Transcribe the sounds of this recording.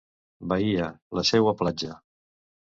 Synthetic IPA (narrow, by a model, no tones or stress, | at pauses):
bəiələsɛwəplad͡ʒə